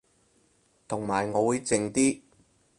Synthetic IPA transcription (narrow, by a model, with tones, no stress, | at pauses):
t̪ʰʊ˨˩ŋmaː˨˩jŋɔː˨˧wuː˨˧jt͡sɪ˨ŋt̪iː˥